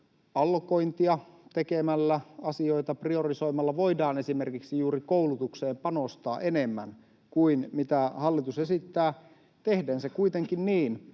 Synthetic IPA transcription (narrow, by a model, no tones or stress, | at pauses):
ɑlkoint̪iɑt̪ekemælːæɑsio̞it̪ɑprioriso̞imɑlːɑʋoidɑːnesimerkiksijuːɾikoulut̪ukseːmpɑnost̪ɑ̰ːʔenemːæ̰n | kuinmit̪æhɑlːit̪usesit̪ːæː | t̪ehdeːnsekuit̪eŋkinniːn